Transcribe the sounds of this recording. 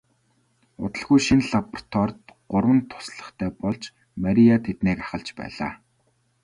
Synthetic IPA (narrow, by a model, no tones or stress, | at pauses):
ʊ̰t̪ə̆ɮɣujʃinɮapr̥t̪ʰɔrt̪ɢ̥ʊrwə̆nt̪ʰʊ̥sɮə̆χt̪ʰæːpɔɮt͡ɕ | maɾʲijat̪ʰet̪neːkaχə̆ɮt͡ɕpæ̰ːɮa̰ː